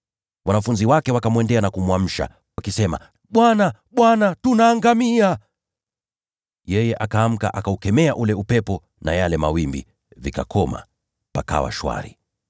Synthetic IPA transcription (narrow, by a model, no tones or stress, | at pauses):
wanafunziwakɛwakamwɛndɛanakumwam̩ʃa̰ | wakisɛma̰ | ɓwana | ɓwanatunaːŋɡamia | jɛjɛʔakaːm̩ka̰ʔakaukɛmɛaʔulɛupɛpɔ | najalɛmawimbḭ | vikakʰɔma̰ | paka̰wa̰ʃwa̰ɾḭ